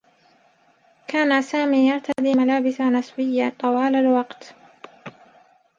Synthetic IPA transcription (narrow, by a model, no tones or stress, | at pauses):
kaːnasaːmiːjɑɾˤt̪ʰad̪iːmalaːbɪsanɪswɪjːat̪ˤɑwaːlalwɑqt̪